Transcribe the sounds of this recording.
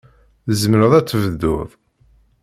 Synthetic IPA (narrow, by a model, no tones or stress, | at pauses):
zəmɾəðˤæt͡sːəvəðːʊ̰ðˤ